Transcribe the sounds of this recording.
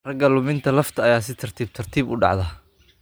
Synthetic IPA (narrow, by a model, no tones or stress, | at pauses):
rɐɡɐlʊmɪnt̪ʰɐlɐft̪ʰɐːjaːs̬ɪt̪ʰɐrt̪ʰiːb̚t̪ʰɐrt̪ʰiːbʊɖɑ̰ʕðɐ